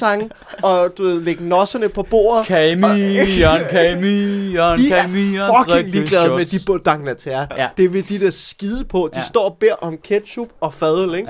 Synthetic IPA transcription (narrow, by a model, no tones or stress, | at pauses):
ɑ̈ŋ | ɒ̽d̥uʋe̝ð̰ˠleɡ̥ənɒ̽sɐnəpʰɒ̽b̥o̝̰ːɐ̰ð̩ˠkʰɛminkʰɛɪmi̥iɛmifɒɡ̥ʰe̥lḭɡ̥lɛðˠmed̥ib̥d̥ɑ̈ŋnæt͡sʰæɐd̥e̝ʋe̝d̥id̥eɐsɡ̥iðˠəpʰɒ̽d̥isd̥ɒ̰ːb̥e̝ɐ̰ʔɒ̽mkʰed̥ɕub̥ɒ̽fɛðˠl̩eɡ̥